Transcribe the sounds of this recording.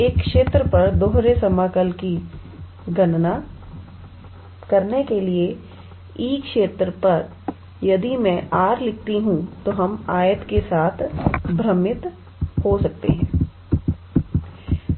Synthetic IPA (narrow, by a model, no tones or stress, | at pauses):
eːkːʃeːt̪ɾəpɐɾd̪oːɦɾesɐmaːkəlki | ɡɐnna | kɐɾnekelie | iːkʃeːt̪ɾəpɐɾ | jɐd̪imɛ̃ʔaːɾlɪk̚ʰt̪iɦũt̪oɦɐmaːjət̪kesaːt̪ʰbɾəmɪt̪ | hosɐk̚t̪ḛɦɛ̃ː